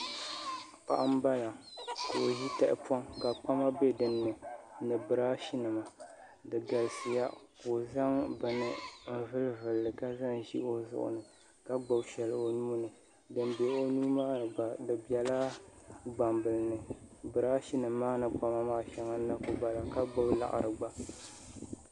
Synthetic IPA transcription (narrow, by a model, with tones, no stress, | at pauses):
pa̰˨ʔa˦m˦ba˦la˨ko˨o˨ʒi˦ta˦ʔɪ̰˨pɔ˦ŋka˨k͡pa˦ma˦be˦dɨ˨nːɨ˨nɨ˨bɨ˨ɾaː˦ʃi˦nɨ˨ma˨ | dɨ˨ɡa˨lɨ˨sɨ˨ja˦ko˨za˦ŋbɨ˨nɨ˨m̩˦vɨ˦lvɨ˨lːɨ˨ka˦za˦ŋ˨ʒḭ˦o˦˨zʊ̰˨ʔʊ̰˨nɨ˨ | ka˦ɡ͡ba˨˦ʃɛ˨lɨ˨o˨nuː˦nɨ˨ | dɨ˨nbe˨o˦nuː˦maː˦˨ɡ͡ba˨dɨ˨bi˨ɛ˨la˦ɡ͡ba˨mbɨ˨lɨ˨nɨ˨bɨ˨ɾa˦ʃi˦nɨ˨mː˦aː˦nɨ˨k͡pa˦ma˦maː˦ʃa˦ŋa˦nːa˦ko˦ba˨la˨ka˦ɡ͡ba˦wla̰˨ʔa̰˨ɾɨ˨ɡ͡ba˨